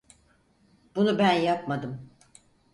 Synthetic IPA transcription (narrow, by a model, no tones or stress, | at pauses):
b̥unubænjapmad̪ɯm